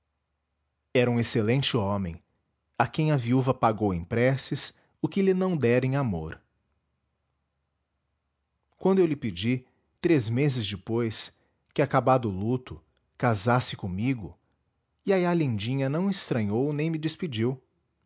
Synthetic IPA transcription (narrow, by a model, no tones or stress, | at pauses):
ɛɾɐũeselẽnt͡ʃɪõmẽj̃ | akẽj̃ɐviuvɐpaɡowẽj̃pɾɛsɪs | ʊkɪlɪnɐ̃w̃d̪ɛɾẽj̃amo̰ɾ | kwɐ̃nd̪ʊewlɪped͡ʒi | t̪ɾezmezɪzd͡ʒɪpojs | kɪakabad̪ʊlut̪ʊ | kazasɪ̥kõmiɡʊ | iajalĩnd͡ʒĩɲɐnɐ̃w̃ɪst̪ɾɐ̃ɲownẽj̃mɪd͡ʒɪspid͡ʒiw